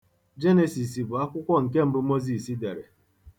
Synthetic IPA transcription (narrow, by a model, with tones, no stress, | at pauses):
d͡ʒe˦ne˨si˨si˨bʊ˨a˦kʷʊ˦kʷɔ˦ŋ̩˨ke˦m̩˦bʊ˦mo˦zi˨si˦de˨ɾḛ˨